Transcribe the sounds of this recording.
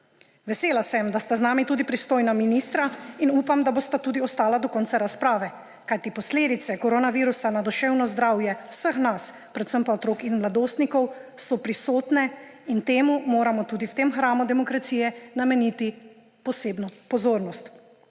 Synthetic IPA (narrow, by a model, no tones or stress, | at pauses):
ʋɛseːlasɛmd̪ast̪aznaːmit̪uːd̪ipɾist̪oːjnaminiːst̪ɾainuːpamd̪aboːst̪at̪uːd̪iɔst̪aːlad̪ɔkɔnt̪saɾaspɾaːʋɛ | kajt̪ipɔsleːd̪it̪sɛkɔɾoːnaʋiɾusanad̪ɔʃɛwnɔzd̪ɾaːwjɛwsəxnas | pɾɛt̪səmpaɔt̪ɾoːkinmlad̪oːst̪nikɔwsɔpɾisoːt̪nɛ | int̪eːmumoːɾamɔt̪uːd̪iwt̪emxɾaːmud̪ɛmɔkɾat̪siːjɛnamɛniːt̪i | pɔseːbnɔpɔzoːɾnɔst̪